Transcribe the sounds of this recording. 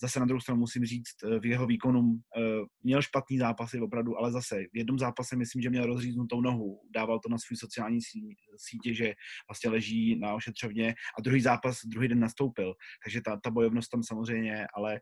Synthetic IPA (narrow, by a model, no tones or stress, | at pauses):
zasɛnad̪ɾuhowst̪ɾanumusɪmriːt͡st̪vjɛɦo̞viːko̞nummɲɛlʃpat̪niːzaːpasɪvo̞pɾavduʔalɛzasɛvjɛd̚nomzaːpasɛmɪslimʒɛmɲɛlɾo̞zriːznut̪o̞wno̞ɦudaːvalt̪onasvujiːso̞t͡sɪjaːlɲiː | siːcɛʒɛvlast̪ɲɛlɛʒiːnao̞ʃɛt̪r̥ovɲɛʔad̪ɾuɦiːzaːpasd̪ɾuɦiːdɛnːast̪o̞wpɪlt̪aɡʒɛt̪at̪abo̞jovno̞st̪amsamozr̝ɛjɲɛjɛʔalɛ